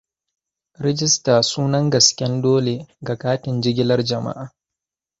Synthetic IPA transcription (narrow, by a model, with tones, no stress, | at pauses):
ɾɛ˦d͡ʒɪ˦staː˨suː˦nɐ˦ŋɡɐ˨skʲɛ˦ndoː˦le˨ɡa˨kaː˦tɪ˨nd͡ʒɪ˦ɡʲɪ˦lɐ˦rd͡ʒɐ˨ma̰˦ʔaː˨